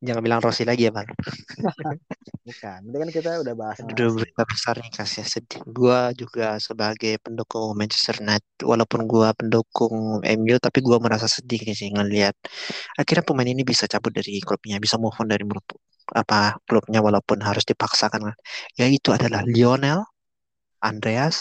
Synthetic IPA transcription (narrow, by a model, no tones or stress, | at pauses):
d͡ʒaŋanbilaŋrosilaɡiabal | bukandakankit̪audahbaɦadudʊbəɾit̪abəsarnikasiahsədiɡuad͡ʒuɡasəbaɡajpəndukʊŋmɛnt͡ʃɛ̥st̪ərnajt̪̚wʔa̰laupʊnɡuapəndukʊŋʔɛ̰mjut̪apiɡuaməɾas̬asədiksiŋənliat̪̚ʔakirɲapəmajninibisat͡ʃabʊt̪̚daɾiklup̚ɲabisamɔhɔndaɾimlʊp | a̰paklup̚ɲawalaupʊnɦaɾʊsdipaksakankanjait̪uadalahlionɛl | ʔandɾeas